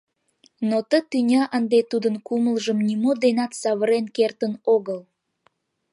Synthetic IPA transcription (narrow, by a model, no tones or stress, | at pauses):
not̪ət̪ynʲɑʔənd̪et̪ud̪ənkuməlʒəmnimod̪enɑt̪sɑβəɾenkert̪ənoɣəl